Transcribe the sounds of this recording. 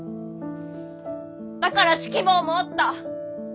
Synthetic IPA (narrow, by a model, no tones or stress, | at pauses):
d̪̥akaɾaɕi̥kʲiboːmoːt̪ːa